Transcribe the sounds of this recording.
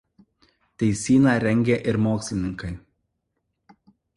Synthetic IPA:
t̪ʲɛɪsʲiːnɑːˑɾʲɛŋʲɡʲeʔɪɾmoːksʲlʲɪnʲɪŋkɐɪ

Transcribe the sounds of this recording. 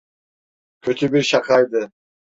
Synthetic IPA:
kʲʰøt̪ʰybiɾʃɑqɑjd̪ɯ

